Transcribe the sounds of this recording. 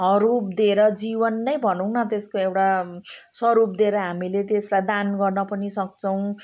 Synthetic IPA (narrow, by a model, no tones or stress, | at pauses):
ɦʌɾup̚d̪ieɾʌd͡zibʌnːʌjbʱʌnʌw̃nʌt̪eskoewʈasʌɾup̚d̪ieɾʌɦamilet̪eslad̪anɡʌrnʌpʌnisʌk̚t͡sʌw̃